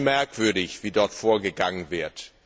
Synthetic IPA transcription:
mɛɐkv̥ʏɐdɪçv̥iːdɔɐtfoːɐɡəɡaŋənvɪɐt

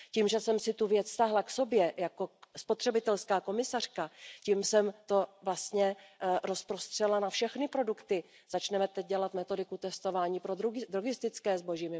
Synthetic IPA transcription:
ciːmʒɛsɛmsɪt̪uvjɛt͡sst̪aɦlakso̞bjɛjako̞spo̞t̪r̥ɛbɪt̪ɛlskaːko̞mɪsar̥kacimsɛmt̪o̞vlast̪ɲɛɾo̞spɾo̞st̪r̥ɛlanafʃɛxnɪpɾo̞dukt̪ɪ | z̥at͡ʃnɛmɛt̪ɛc̚ɟɛlat̪mɛt̪o̞dɪkut̪ɛst̪o̞vaːɲiːpɾod̪ɾoɡɪst̪ɪt͡skɛːzbo̞ʒimɪ

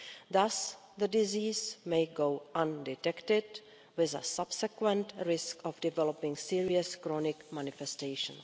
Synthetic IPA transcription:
ðas | ðədɪziːzmejɡowʔãndɪtɛktɪd | wɪzə̰sab̥sɛkwɛ̃ntɹɪskɔfdɪvɛlɔpɪ̃ŋsiɹiəskɾɔnɪkmanɪfɛsteɪʃə̰̃n

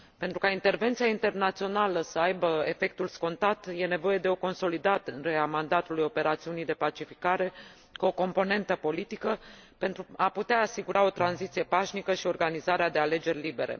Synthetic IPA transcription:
pe̞nt̪ɾukaint̪e̞rve̞nt̪siaint̪e̞rnat̪sio̞naləsəajbəe̞fe̞k̚t̪ulsko̞nt̪at̪je̞ne̞vo̞je̞d̪e̞o̞ko̞nso̞lid̪at̪nɾeamand̪at̪ulujo̞pe̞ɾat̪siunijd̪e̞pat͡ʃifikaɾe̞ | kuo̞ko̞mpo̞ne̞nt̪əpo̞lit̪ikə | pe̞nt̪ɾuaput̪eaːsiɡuɾʔao̞t̪ɾanzit̪sije̞paʃnikəʃio̞rɡanizaɾead̪e̞ale̞d͡ʒe̞rʲlibe̞ɾḛ

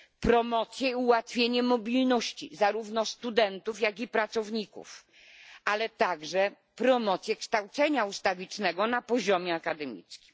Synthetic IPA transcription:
pɾɔmɔt̪sʲjɛiuwat̪fʲjeɲɛmɔbʲilnɔɕt͡ɕḭzaɾuvnɔst̪ud̪ɛnt̪ufjaɡipɾat̪sɔvɲikṵf | alɛt̪aɡʐɛ | pɾɔmɔt̪sʲjɛkʂt̪awt̪sɛɲaust̪avʲit͡ʂnɛɡɔnapɔʑɔmʲjɛakad̪ɛmʲḭt̪skʲi̥m

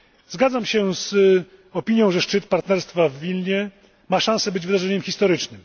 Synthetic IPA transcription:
zɡad̪zamɕɛz | ɔpʲiɲjɔ̃w̃ʐɛʂt͡ʂɘt̪paɾt̪nɛɾst̪favːʲilɲɛ | maʂãñsɛbɘd͡ʑvɘd̪aʐɛɲɛmxʲist̪ɔɾɘt͡ʂnɘm

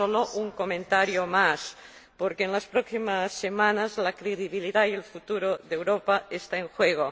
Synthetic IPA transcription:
oloʔuŋkomẽnt̪aɾjomas | poɾkeːnlaspɾoksimasːemãnazlakɾeðiβ̞iliðajelfut̪uɾoðewɾopaest̪aeŋxweɣ̞o

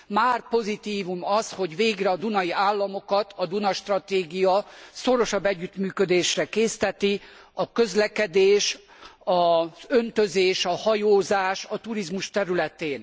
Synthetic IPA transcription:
maːrpo̞zit̪iːvumɒsho̞ɟʋeːɡrɛɒd̪unɒiaːlːɒmo̞kɒt̪ʰɒd̪unɒʃt̪rɒt̪eːɡijɒso̞ɾo̞ʃɒbːɛɟːyt̪myːkød̪eːʃrɛkeːst̪ɛt̪i | ɒkø̞zlɛkɛd̪eːʃ | ɒzø̞nt̪øzeːʃɒhɒjoːzaːʃɒt̪uɾizmuʃt̪ɛɾylɛt̪eːn

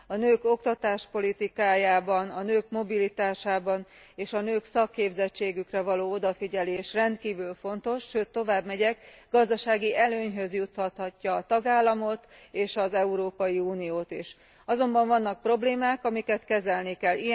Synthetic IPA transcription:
ɒnøːko̞kt̪ɒt̪aːʃpo̞lit̪ikaːjaːbɒnɒnøːkmo̞bilit̪aːʃaːbɒneːʃɒnøːksɒkːeːbzɛt͡ʃːeːɡykrɛvɒloːo̞d̪ɒfiɟɛleːʃrɛnt̪kiːvylfo̞nt̪o̞ʃːøːt̪ːo̞vaːbmɛɟɛkɡ̥ɒzd̪ɒʃaːɡiʔɛløːɲɦø̞zjut̪hɒt̪hɒcːɒːt̪ɒɡaːlːɒmo̞t̪eːʃɒzɛuɾoːpɒjiuːnijoːt̪iʃ | ɒzo̞mbɒɱvɒnːɒk̚pro̞bleːmaːkɒmikɛt̪kɛzɛlnikɛlːi

